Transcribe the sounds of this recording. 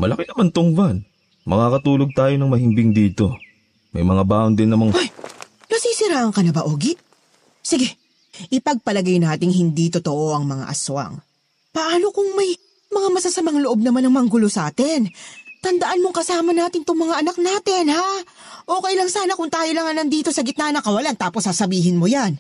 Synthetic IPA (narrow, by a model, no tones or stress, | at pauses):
mɐ̰lɐkɛnɐmant̪ʊŋban | mɐ̰ŋakɐt̪uːlo̞ɡ̚t̪aːjonɐŋmɐhɪmbɪŋd̪iːt̪o̞ | mɐ̰jmɐŋabaːʔond̪ɪnːɐmaŋoj | nɐsiːsɪɾaːʔɐŋkɐnɐbɐʔoːɡɪʔ | sɪɡɛ | ʔɪpɐɡ̚pɐlɐɡajnaːt̪ɪŋhɪnd̪it̪ot̪oʔo̞ʔɐŋmɐŋa̰ʔɐ̰sʊɐ̰ŋ | pɐʔaːno̞kʊŋmɐj | mɐŋamɐsasɐmɐaŋloʔob̚nɐmanɐŋmɐŋɡʊlosɐʔaːt̪ɪnt̪ɐnd̪ɐʔanmo̞ŋkɐsaːmɐnaːt̪ɪnt̪oŋmɐŋaʔɐnɐk̚naːt̪ɪnhaː | ʔo̞ːkɐjlɐŋsaːnɐkʊŋt̪aːjolɐŋɐnɐnd̪iːt̪o̞sɐɡɪt̪̚nanɐkɐwɐlant̪aːposːaːsɐbiːɦɪnmojan